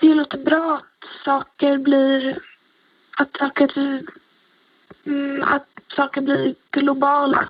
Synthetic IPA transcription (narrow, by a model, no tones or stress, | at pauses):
d̪ɪloːt̪əbɾɑːat̪sɑːkəɾbliːɾ | at̪sɑːkəɾ | a̰t̪sɑːkəɾbliːɾɡ̥lʊbɑːla̰